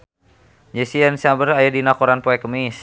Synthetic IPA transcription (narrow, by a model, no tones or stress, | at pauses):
d͡ʒɛsiɛnsiabəɾajadinakɔɾanpoɛkəmis